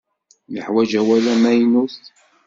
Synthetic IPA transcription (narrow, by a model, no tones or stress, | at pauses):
ləħwæd͡ʒæwælæmæjnust